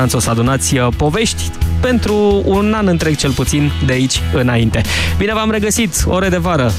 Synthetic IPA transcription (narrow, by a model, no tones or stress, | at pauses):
ant̪sosəad̪unat̪sʲpo̞ve̞ʃt̪ʲpe̞nt̪ɾuːnanɨnt̪ɾeɡ̚t͡ʃe̞lput̪sind̪eait͡ʃʲɨnaint̪e̞bine̞vamɾe̞ɡəsit̪o̞ɾe̞d̪e̞vaɾə